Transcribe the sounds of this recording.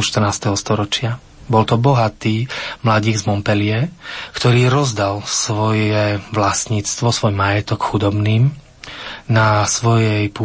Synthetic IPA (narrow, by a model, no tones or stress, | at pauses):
uʃt̪rnaːst̪ɛɦɔst̪ɔɾɔt͡ʃɪa | bɔlt̪ɔbɔɦat̪iːmlaɟiːɡzmɔmpɛlɪɛkt̪ɔɾiːɾɔzd̪alsʋɔjɛʋlasɲiːt͡st̪ʋɔsʋɔjɛmajɛt̪ɔkxud̪ɔbniːm | nasʋɔjɛjpu